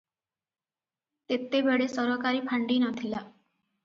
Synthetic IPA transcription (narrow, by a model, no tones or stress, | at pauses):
t̪et̪ːebʱeɽesɔɾokaɾiːpʰaɳɖinɔt̪ʰila